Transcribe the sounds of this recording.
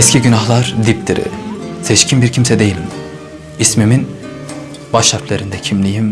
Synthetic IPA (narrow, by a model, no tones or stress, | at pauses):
ɛscʰiɟynaɦlˠaɾd̪ip̚t̪ʰiɾḭsɛʃcʰinbiɾcʰimsɛd̪e̞jilʲim | ismimin | baʃaɾflʲeɾind̪ɛcʰimlʲijim